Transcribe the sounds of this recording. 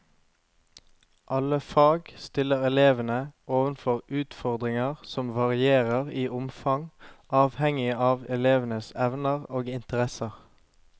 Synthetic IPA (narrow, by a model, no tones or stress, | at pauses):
ʔɑləfɑːɡst̪ɪləʁɛleːʋənəʔoːʋənfɔʁʉːt̪fɔʁd̪ʁɪŋɑʁsɔmʋɑʁɪeːʁəʁiːʔʊmfɑŋʔɑːʋhɛŋɪɑːʋɛleːʋənəsɛʋnəʁoːɡɪnt̪əʁɛsəʁ